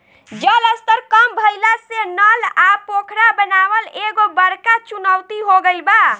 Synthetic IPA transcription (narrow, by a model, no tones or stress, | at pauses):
d͡ʒələst̪əɾkəmbʱəjlasenəlapokʰɾabənabəleɡobəɾkat͡ʃunəwt̪iɦoɡəlba